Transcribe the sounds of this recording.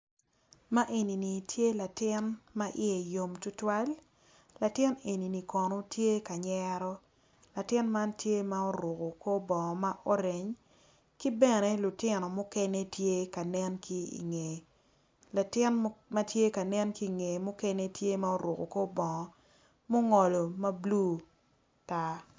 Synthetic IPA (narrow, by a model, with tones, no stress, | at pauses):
ma˦ʔe˨ni˨ni˨tʰje˦la˨tɪ˦nma˦ʔɪ̰˦e˨jo˨mtʊ˦twa˦l | la˨tɪ˦ne˨ni˨ni˨kɔ˨no˦tje˦ka˨ɲɛɾɔ˦ | la˨tɪ˦nma˦ntje˦ma˦o˦ɾo˨ko˨ko˦bɔ˨ŋɔ˨ma˦ʔo˦ɾe˨ɲ | ki˦bɛ˦nɛ˨lʊ˨tɪ˦nɔ˨mʊ˦kɛ˦ne˦tje˦ka˨nɛ˦nki˦ḭ˨ŋe˨ | la˨tɪ˦nma˦tje˦ka˨nɛ˦nki˦˨ŋe˨mʊ˦kɛ˦ne˦tje˦ma˦o˦ɾʊ˨ko̰˨ko˦bɔ˨ŋɔ˨ | mo˦ŋɔ˨lo˨ma˦blu˦ | ta˦